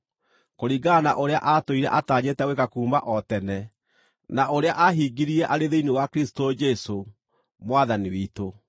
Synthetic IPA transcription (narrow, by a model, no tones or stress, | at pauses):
koɾiːɡanaʔoɾea̰ʔatoiɾɛ̰ʔataːɲetɛwekakuːmaʔɔtɛnɛ | naʔoɾeaʔaɦiːɡiɾiɾɛʔaɾeðeiniwakɾisi̥tod͡ʒɛso | mwaðaniwito